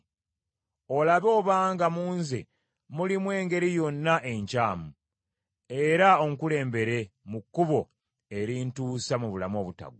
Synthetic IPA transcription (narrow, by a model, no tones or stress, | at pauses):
o̞laβo̞ːβaːŋɡamuːnzḛ | mulimwe̞ːŋɡe̞ɾijo̞nːaʔe̞ɲcaːmu | e̞ɾaoŋkule̞ːmbe̞ɾe̞mukːuβo̞ | e̞ɾintuːsamuβulamo̞ːβuta̰ɡu